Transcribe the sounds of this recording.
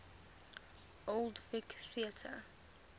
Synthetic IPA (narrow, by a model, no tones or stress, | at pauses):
ʔolˠdfɪkθiətʰə̰